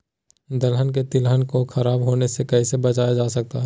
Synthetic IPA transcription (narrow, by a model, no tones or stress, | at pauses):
d̪ɐlɦənk̬et̪ɪlɦənkoxɐɾaːbɦoːnesekɐisebɐt͡ʃaːjad͡ʒaːsɐk̚t̪aɦɛ